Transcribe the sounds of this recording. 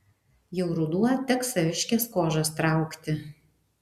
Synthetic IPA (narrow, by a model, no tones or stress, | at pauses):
jɛʊɾʊd̪uɔt̪ʲɛksɐʋʲɪʃʲkʲɛskoːʒɐst̪ɾɑˑʊkt̪ʲɪ